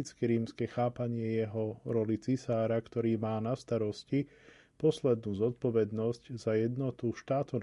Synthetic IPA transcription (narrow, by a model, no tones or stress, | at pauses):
it͡skɛɾiːmskɛxaːpaɲɪɛjɛɦɔɾɔlit͡sisaːɾakt̪ɔɾiːmaːnast̪aɾɔsci | pɔslɛd̪̚nuːzɔt̪̚pɔʋɛd̪nɔsczajɛd̪nɔt̪uʃt̪aːt̪ɔn